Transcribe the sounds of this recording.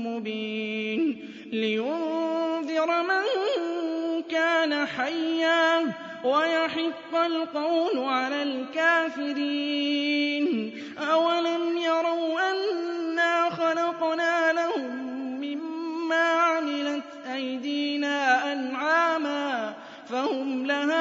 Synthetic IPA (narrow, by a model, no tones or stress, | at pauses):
mʊbiːn | lɪjʊððɪɾmaŋ | kaːnaħajːaː | wajaħɑbːalqɑwlʕalaːlkaːfɪɾiːn | ʔawalamjɑɾˤɑwʔanːaːxɑlɑqnaːlahʊmːɪmːaːʕamɪlat̪ʔajd̪iːnaːʔanʕaːmaː | fahʊmlahaː